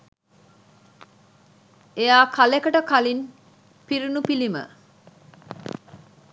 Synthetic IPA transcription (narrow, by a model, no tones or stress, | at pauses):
ejaːkʰalekəʈəkalin | piɾunupilimə̰